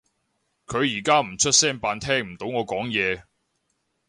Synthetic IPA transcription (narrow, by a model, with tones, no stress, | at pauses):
kʰɵ˨˧ɥjiː˨˩kaː˥m̩˨˩t͡ʃʰɵ˥t̚sɛː˥npaː˧nt̪ʰɛː˥ŋm̩˨˩t̪o˨˧˥wŋɔː˨˧kɔː˨˥ŋjɛː˨˧